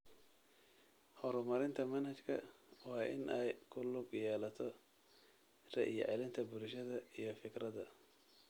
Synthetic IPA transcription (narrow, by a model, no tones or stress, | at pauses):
hɔɾʊmɐɾɪnt̪ʰɐmɐnhɐt͡ʃkʰɐ̰wɑːʔɪ̰nʔɛjkʰʊlʊɡjɛːlɐt̪ʰɔ | rɛ̰ʔijɔ̰ʕɛlɪnt̪ʰɐbʊɾʃɐðɐijɞfɪɡrɐðɐ